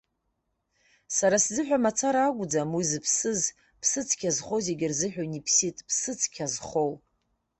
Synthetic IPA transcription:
saɾaszɨħᶣamat͡sʰaɾaːɡʷʊd͡zamwizɨpʰsɨz | pʰsɨt͡sʰkʲʰazχozeɡʲɪrzɨħᶣonipʰsitʼpʰsɨt͡sʰkʲʰazχow

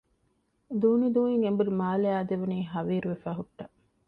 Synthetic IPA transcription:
d̪uːnid̪uːniŋembuɾumaːleaːd̪eʋuniːɦɐʋiːɾuʋefæːɦuʈːɐ

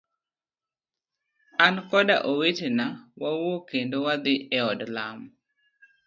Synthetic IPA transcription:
ankɔda̰ʔowetenawawokendowad̪ɪɛɔdlam

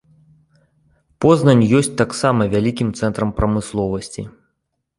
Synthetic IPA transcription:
pɔznɐnʲjɔsʲt͡sʲt̪aksamɐvʲalʲikʲimt̪sɛnt̪ɾɐmpɾɐmɨslˠɔvɐsʲt͡sʲḭ

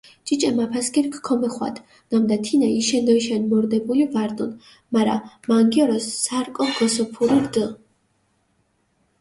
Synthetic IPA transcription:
t͡ʃʼit͡ʃʼɛmapʰaskʰʼiɾkʰkʰɔmɛχwa̰d̪ | namd̪at̪ʰinaiʃɛnd̪ɔiʃɛnmɔɾd̪ɛbulivaɾt̪ʼun | maɾa̰maŋɡijɔɾɔsːaɾkʼɔɡɔsɔpʰuɾiɾd̪ə

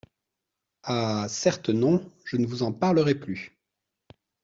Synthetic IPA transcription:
asɛʁt̪nɔ̃ʒ̥ənəvuzɑ̃paʁləʁɛply

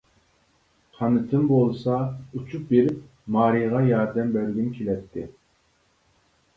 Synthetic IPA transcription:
qʰɑnɨt̪ʰɨmbolˠsɑut͡ʃʰup̚beɾɪp̚ | mɑːɾijʁɑjɑɾd̪ɛmbɛɾɡʲinkʲʰelɛt̪ʰːɪ

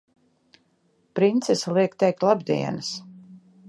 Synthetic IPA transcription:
pɾint̪sesalˠiɛkt̪ɛjk̚t̪lˠabd̪ḭɛnɨs

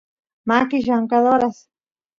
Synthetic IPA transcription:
makɪʃaŋkaðoɾas

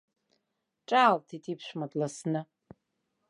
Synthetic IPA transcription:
ʈ͡ʂʼaːltʰitʰipʰʃʷᶣmadlasnɨ

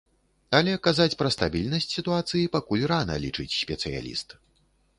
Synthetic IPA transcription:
ɐlʲɛkazat͡sʲpɾɐst̪abʲilʲnɐsʲt͡sʲsʲit̪uat̪sɨjipakulʲranɐ̰lʲit͡ʂɨt͡sʲsʲpʲɛt̪sɨja̰lʲḭst̪

